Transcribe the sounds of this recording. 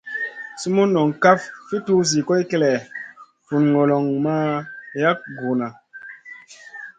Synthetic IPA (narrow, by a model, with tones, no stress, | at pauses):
su˦mu˦nːɔ˨ŋka˦ffi˦tu˦zi˨ko˦jke˦lɛ˨ | fu˨nŋo˨lɔ˨ŋma˦ja˦k̚ɡu˨na˨